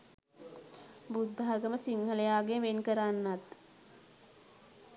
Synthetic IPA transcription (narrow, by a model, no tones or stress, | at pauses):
bud̪ʱːaːɡəməsiŋɦələjaːɡeʋenkəɾanːat̪